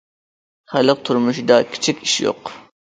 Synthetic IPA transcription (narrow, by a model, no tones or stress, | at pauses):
χælɨq̚t̪ʰʊɾmuʃd̪ɑkʲʰi̥t͡ʃʰikʲiʃjo̰q